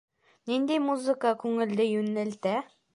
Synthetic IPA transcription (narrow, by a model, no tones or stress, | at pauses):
nind̪emuzɨkakʰʉŋɘ̆ld̪ɘjʉnɘ̆lt̪æ